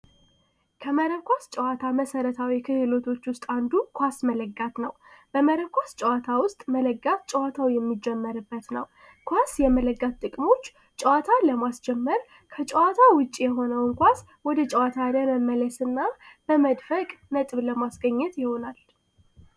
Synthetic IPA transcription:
kʰəməɾəkʷast͡ʃʼəwat̪ʰaməsəɾət̪ʰawikʰɨhɨlo̞t̪ʰo̞t͡ʃːwʊst̪ʼand̪ukʰʷasmələɡːat̪nə̰wb̥əməɾəkʷast͡ʃʼɛwat̪ʰawʊst̪ʼmələɡːat̪t͡ʃʼəwat̪ʰawjɛmːid͡ʒːɛmːəɾɨbːət̪nə̰w | kʰʷasjɛmələɡːat̪t̪ʼɨkʼmo̞t͡ʃː | t͡ʃʼəwat̪ʰaləmasd͡ʒɛmːəɾ | kʰət͡ʃʼəwat̪ʰawʊt͡ʃʼːijɛɦo̞nəwɨŋkʷas | wɔd̪ət͡ʃʼəwat̪ʰaləməmːələsɨnːab̥əməd̪fəkʼnət̪ʼɨβləmasɡəɲːɛt̪jɪho̞nal

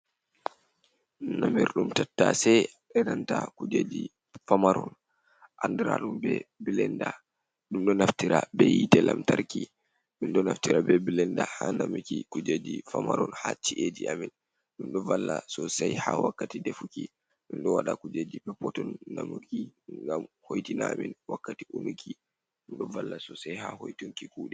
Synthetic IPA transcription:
namiɾɗumtatːasɛ | ɛnantakud͡ʒed͡ʒi | famaɾɔn | ʔandɛɾaɗumbɛbilɛnda | ɗumɗɔnaftiɾabɛjitɛlʔamtaɾki | ɗunɗɔnaftiɾabɛbilɛndahanamikikud͡ʒed͡ʒifamaɾɔnhat͡ʃiʔeːd͡ʒiamin | ɗumɗɔvalːasɔsajhawakːatidefuki | ɗunɗɔwaɗakud͡ʒed͡ʒipɛpɔtɔnːamukiŋɡamhojtinaːminwakːatiʔunukʰi | ɗumɗɔvalːasɔsajhahojtuŋkikuːɗɛ

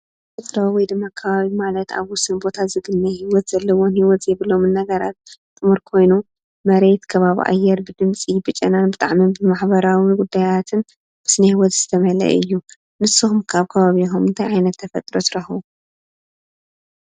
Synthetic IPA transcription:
ɨt̪ʼɾawɔjd̪ɨmːakʰɐβaβimalɐt̪a̰βwʊsɨnbo̞t̪ʰazɨɡɨnːɐhiwɔt̪z̥ɐlːɐwo̞nhiwɔt̪zɛβɨlomɨnːɐɡɐɾat̪̚t̪ʼɨmuɾkʰo̞jnu | mɐɾe̞t̪kʰɐβaβḭʔa̰jːɛɾbɨd̪ɨmt͡sʼibɨt͡ʃʼɐnanbɨt̪ʼaʕmibɨmaħbɐɾawiɡud̪ːajat̪ʰɨn | b̥ɨsnɐhiwɔt̪z̥ɨt̪ʰɐmɐlɐ̰ʔɨjːu | nɨsːɨxumkʰaβkʰɐβaβixumɨnt̪ʰajʕajnɐt̪ːʰɐfɐt̪ʼɾo̞t̪ʰɨɾɐxu

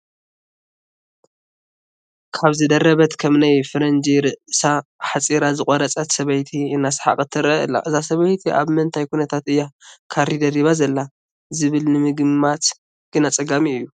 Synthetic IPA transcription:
kʰaβzɨd̪ɐɾɐβɐt̪kʰɐmnajfɨɾɐnd͡ʒiɾɨʔsaħat͡sʼiɾazɨkʼɔɾɐt͡sʼɐt̪sɐβɐjt̪ʰiɨnːasħa̰kʼɨt̪ʰːɨɾɐɨ̰lːa̰ʔɨzasɐβɐjt̪ʰiʔa̰βmɐnt̪ʰajkʰunɐt̪ʰat̪ʔɨjːakʰaɾid̪ɐɾiβazɐlːa | zɨβɨlnɨmɨɡɨmːat̪ | ɡ̥ɨnat͡sʼɐɡamiɨjːu

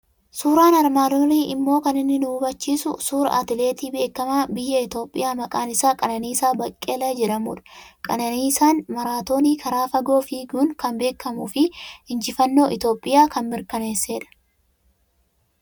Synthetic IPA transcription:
suːɾaːnɐɾmaːd̪oːniːʔɪmːo̞ːkɐnɪnːɪnuːbɐt͡ʃːiːsʊsuːɾɐ̰ʔɐ̰t̪ɪle̞ːt̪iːbe̞ːkːɐmaːbɪjːɐɪt̪o̞ːpʼːɪjaːmɐkʼaːnɪsaːkʼɐnɐniːsaːbɐkʼːeːlɐd͡ʒɛᶑɐmuːᶑɐ̥kʼɐnɐniːsaːnmɐɾaːt̪o̞ːniːkʰɐɾaːfɐɡo̞ːfiːɡuːnkɐmbe̞ːkːɐmuːfɪɪnd͡ʒɪfɐnːo̞ːʔɪt̪o̞ːpʼːɪjaːkɐnmɪɾkɐne̞ːsːe̞ːᶑɐ̥

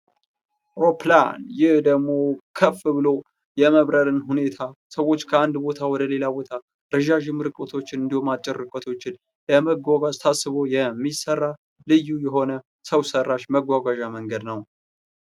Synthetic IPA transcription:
ɾopʰlanjɪhd̪əɡmo̞kʰəfːɨβɨlo̞ | jɛməβɾəɾɨnhune̞t̪ʰasəwo̞t͡ʃːkʰəand̪bo̞t̪ʰawɔd̪əle̞labo̞t̪ʰa | ɾɨʒaʒɪmɨɾɨkʼət̪ʰo̞t͡ʃːɪnɨnd̪ihumat͡ʃʼːɪɾːɨkʼət̪ʰo̞t͡ʃːɪn | jɛməɡʷaɡad͡ʒʼt̪ʰasːɨβo̞jɛmːisərːa | lɨjːujɛɦo̞nə | səwsərːaʃməɡʷaɡaʒaməŋɡəd̪nəw

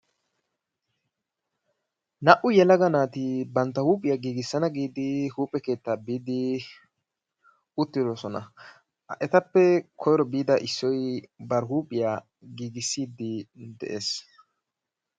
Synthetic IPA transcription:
nɐʔʊjɛlɐɡɐnaːt̪ɪbɐnt̪ːɐhuːpʼɪjaɡiːɡɪsːɐnɐɡiːd̪ɪhuːpʼːɛke̞ːt̪ːaːbiːd̪ɪ | ʊt̪ːɪd̪ɔsɔnɐ̰ | ʔɛt̪ɐpːɛkʰɔjɾɔbiːd̪ɐʔɪsːɔjbɐɾɦuːpʼɪja | ɡiːɡɪsːiːd̪ɪd̪ɛ̰ʔeːs

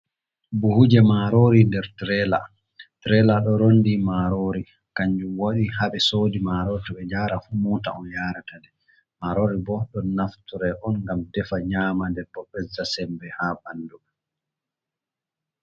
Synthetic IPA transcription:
buhud͡ʒɛmaɾoɾindɛɾtɾɛla̰ | tɾɛlaɗɔɾondimaɾoːɾi | kaɲd͡ʒumwoɗihaɓɛsoːdimaɾotɔɓɛd͡ʒaːɾafumɔta̰ɔnjaɾatadɛ | maɾoɾibɔɗɔnnaftuɾɛʔɔnɡamdɛfaɲamandɛɾbɔbɛzːasɛmbɛhabandum

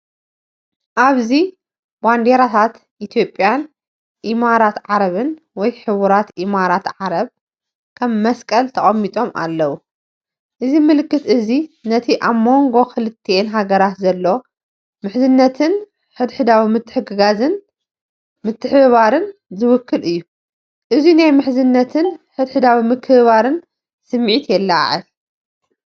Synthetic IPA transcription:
ʔaβzi | band̪eɾat̪ʰat̪ | ʔit̪ʰjo̞pʼːjan | ʔimaɾat̪ʕaɾɐβɨn | wɔjħɨβuɾat̪ʔimaɾat̪ʕaɾɐβ | kʰɐmːɐskʼɐlt̪ʰɐχʼɐmːit̪ʼo̞mʔa̰lːɐwu | ʔɨzimɨlɨkːɨt̪ʔɨzinɐt̪ʰiʔaβmo̞ŋɡo̞xʰɨlɨt̪ʰːenɦaɡɐɾat̪zɐlːo̞ | mɨħzɨnːɐt̪ʰɨn | ħɨd̪ħɨd̪awimɨt̪ʰːɨ̥ħɨɡɨɡazɨn | mɨt̪ʰːɨħɨβaɾɨnzɨwʊkːɨlɨjːu | ʔɨzinajmɨħzɨnːɐt̪ʰɨnħɨd̪ħɨd̪awimɨkʰːɨβaɾɨn | sɨmːʕit̪jɛlːaʕɨ̰l

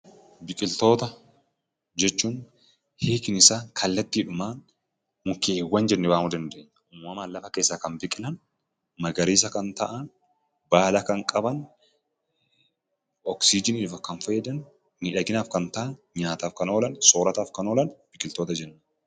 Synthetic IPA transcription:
bɪkʼɪlt̪o̞ːt̪ɐ | d͡ʒɛt͡ʃːuːn | heːkɪnɪsaːkʰɐlːɐt̪ːiᶑʊmaːn | mʊkeːwːɐnd͡ʒɛnːɛwaːmud̪ɐnd̪e̞ːɲːɐʔuːmːɐmaːnlɐfɐkeːsːɐkɐnbɪkʼɪlɐn | mɐɡɐɾiːs̬ɐkɐnt̪ɐʔɐn | baːlɐkɐŋkʼɐbɐn | ɔksiːd͡ʒɪnɪːfɐkːɐnfeɛd̪ɐn | miːᶑɐɡɪnaːfkɐnt̪ɐʔɐn | ɲaːt̪aːfkɐno̞ːlɐnso̞ːɾɐt̪aːfkɐno̞ːlɐnb̥ɪkʼɪlt̪oːt̪ɐd͡ʒɛnːɐ

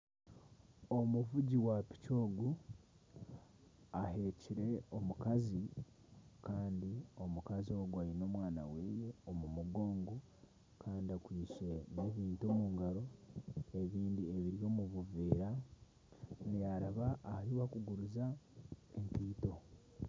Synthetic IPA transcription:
omuvuɟiwapi̥co̞ːɡu | aɦeciɾe̞omukazi | kaːndio̞mukazio̞ːɡuaɾino̞ːmwaːna̰weːje̞omumuɡo̞ːŋɡo | kʰaːndiakwiːʃe̞neːβiːntomuːŋɡaɾo̞e̞βiːndieβiɾjo̞ːmuβuveːɾa | nejaɾaβaːhiβakuɡuɾuzaeŋkiːto̞

